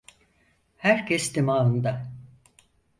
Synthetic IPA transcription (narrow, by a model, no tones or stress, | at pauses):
hæɾcʰɛst̪ʰemaːɯnd̪a